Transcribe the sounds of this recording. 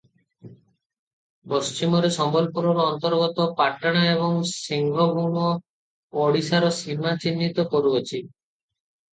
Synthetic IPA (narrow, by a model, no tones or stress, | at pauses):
post͡ɕimɔɾesɔmbɔlpuɾɔɾɔnt̪ɔɾɡɔt̪ɔpaʈaɽ̃aeβɔŋsiŋɡʱɔbʱuɳɔ | ɔɽisaɾɔsimat͡ɕinːit̪ɔkoɾuot͡ʃʰi